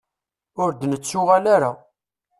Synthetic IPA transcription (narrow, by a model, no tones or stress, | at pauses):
ʊɾd̪nət͡sːʊʁalaɾa